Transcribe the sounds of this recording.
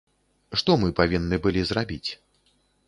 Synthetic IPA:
ʂt̪ɔmɨpavʲinːɨbɨlʲizrabʲit͡sʲ

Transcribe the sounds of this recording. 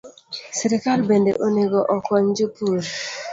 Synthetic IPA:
sɛɾɛkalbendḛʔoneɡɔʔɔkɔɲd͡ʒupuɾ

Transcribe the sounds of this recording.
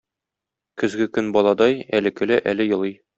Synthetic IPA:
kɵ̆zɡɘkɵnbɒlˠɑd̪ɑjælɘ̆kɘ̆lɘʔælɘjɤ̆lˠɤj

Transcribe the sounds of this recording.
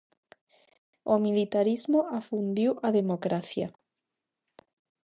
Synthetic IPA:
omilit̪aɾizmoafund̪iwʔaðemokɾaθja̰

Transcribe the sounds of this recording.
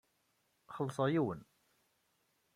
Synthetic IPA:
χəlːsˤɑjiwən

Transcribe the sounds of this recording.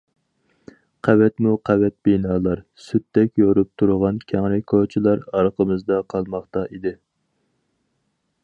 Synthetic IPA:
qʰæwɛt̪muqʰɛwɛt̪̚b̥inɑːlˠɑɾsyt̪ːɛkʲjoɾup̚t̪ʰuɾʁɑnkʲʰɛŋɾɪkʰot͡ʃʰilˠɑɾɑɾqʰəmɨzd̪ɑqʰɑlˠmɑχt̪ɑʔid̪ɪ

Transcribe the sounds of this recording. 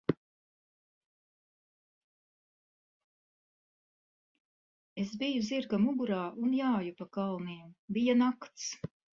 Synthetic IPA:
esbijuziɾɡamuɡuɾaːʔunjaːjupakalˠniːɛmbijanakt̪s

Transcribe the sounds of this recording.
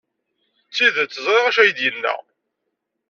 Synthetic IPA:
t͡sːiðt͡sːəzˤɾɪʁæʃæjəd̪jənːæ̰

